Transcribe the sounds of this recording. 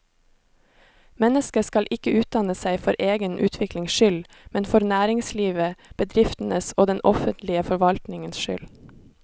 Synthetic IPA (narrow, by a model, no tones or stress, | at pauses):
mɛnəskəskɑlʔɪkəʔʉːt̪̚d̪ɑnəsæɪfɔɾʔeːɡənʔʉːt̪ʰʋɪklɪŋsʃʏl | mɛnfɔɾnæːɾɪŋsliːʋəb̥əd̪ɾɪft̪n̩əsoːd̪ɛnʔɔfənt̪lɪəfɔɾʋɑlt̪nɪŋənsʃʏ̰l